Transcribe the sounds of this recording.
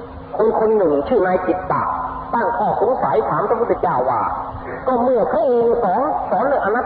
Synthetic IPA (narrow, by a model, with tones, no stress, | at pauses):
kʰo˧nkʰo˧nːɯ˨˩ŋt͡ɕʰɯː˧˩naː˧jt͡ɕi˨˩t̪̚pa̰ː˨˩ | t̪aː˧˥˩ŋkʰɔː˧˩kʰu˧˥nsa˨˩˦jt̪ʰaː˩˦mpɾa˧pʰu˧t̪si˨˩t͡ɕaː˧˩wːaː˧˩ | kɔː˧˩mɯ˧˩əkʰa˧˥˩ʔeː˧ŋ˧˩sɔː˨˦sɔː˨˦nlɯ˧˩ʔa˧nːa˧˩